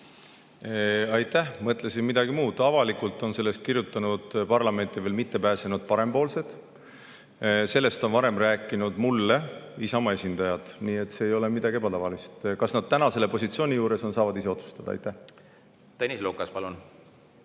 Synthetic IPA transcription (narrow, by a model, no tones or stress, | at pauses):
ɑjt̪ːˑæhmɤt̪ːˑle̞sinmid̪ɑɡimuːd̪̥ɑvɑlikˑult̪ːˑo̞nse̞lːe̞st̪̚kirjut̪ːˑɑnud̪̥pɑrlɑme̞nt̪ˑiveːlmit̪ːe̞pæːsenud̪̥̚pɑɾe̞mpo̞ːlse̞d̪̥ | se̞lːe̞st̪o̞nvɑɾe̞mræːkːˑinud̪mulːe̞isɑmɑe̞sʲind̪̥ɑjɑt̪niːe̞t̪ːˑseːjo̞le̞mid̪̥ɑɡie̞bɑt̪ɑvɑlist̪kɑsnɑd̪̥̚t̪ænɑse̞le̞po̞sʲit̪sio̞ːnʲijuːɾe̞so̞nsɑːvɑd̪is̬e̞o̞t̪su̥st̪ɑd̪ɑɑ̰jt̪ːˑæh | t̪enʲislukːˑɑspɑlun